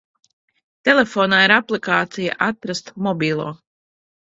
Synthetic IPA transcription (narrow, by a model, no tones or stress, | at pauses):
t̪ɛlefoːnaːiɾaplˠikaːt̪sija̰ʔat̪ɾast̪mɔbʲiːlˠuː